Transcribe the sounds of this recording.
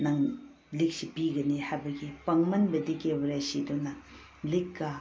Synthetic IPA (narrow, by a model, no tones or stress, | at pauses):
nɐŋ | lik̚sipiɡɐnihajbɐɡipɐŋmɐnbɐdikebɾasidonɐ | likːɐ